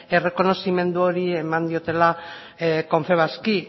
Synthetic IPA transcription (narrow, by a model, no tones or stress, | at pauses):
e̞re̞ko̞no̞sime̞nd̪uo̞ɾie̞mand̪io̞t̪e̞la | ko̞ɱfe̞β̞aski